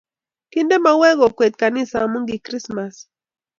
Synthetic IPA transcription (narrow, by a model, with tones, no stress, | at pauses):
ki˦nde˦ma˦wɛ˦ɡɔ˨kwe˨t̪̚ka˨nɪ˦sa˨mu˦ŋɡi˨kɾi˦sma˨s